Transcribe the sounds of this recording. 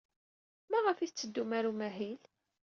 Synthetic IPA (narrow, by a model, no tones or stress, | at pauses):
mæʁəfiθt͡sːəd̪ːumæɾumæɦil